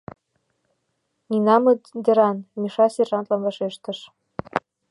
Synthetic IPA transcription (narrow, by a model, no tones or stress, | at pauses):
ninɑmɤd̪ʲĕɾɑnmiʃɑserʒɑnt̪lɑnvɑʃeʃt̪ə̆ʃ